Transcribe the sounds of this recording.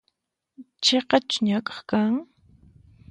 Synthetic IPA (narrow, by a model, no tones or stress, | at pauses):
t͡ʃeqɑt͡ʃʊ̥ɲakʼɑ̥χkaŋ